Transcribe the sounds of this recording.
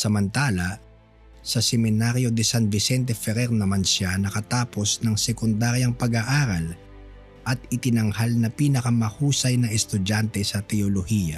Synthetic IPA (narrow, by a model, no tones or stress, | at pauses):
sɐmɐnt̪aːlɐ | sɐsɛmɪnaɾjo̞d̪ɪsanvɪsɛnt̪ɛfɛɾɛɾnɐmansʃanɐkɐt̪aːpo̞snɐŋsɛkʊnd̪aɾjɐŋpɐɡaʔaːɾɐl | ʔɐt̪̚ɪt̪ɪnɐŋhalnɐpiːnɐkɐmɐhuːsɐjnɐɛst̪ʊd͡ʒant̪ɛsɐt̪ɛolohijɐ̰